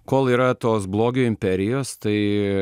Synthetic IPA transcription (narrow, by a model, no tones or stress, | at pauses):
koːlˠiːɾɐt̪oːsblˠoːɡʲuːɪmʲpʲɛɾʲɪjoːst̪ɐɪ